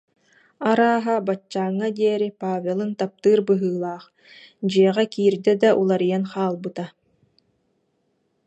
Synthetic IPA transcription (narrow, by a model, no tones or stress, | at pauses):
aɾaːɦabat͡ɕːaːŋːad̪iɛɾipaːvʲelˠɯnt̪ap̚t̪ɯːɾbɯɦɯːlˠaːχ | d͡ʑiɛʁɛkiːɾd̪ɛd̪aʔulˠaɾijanχaːlˠbɯt̪a